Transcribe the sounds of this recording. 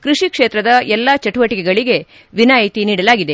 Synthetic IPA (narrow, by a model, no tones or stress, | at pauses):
kɾuʂikʂeːt̪ɾɐd̪ɐɛlːat͡ʃɐʈuʋɐʈikɛɡɐɭiɡe̞ | ʋinaːjit̪iniːɽɐlaːɡid̪e̞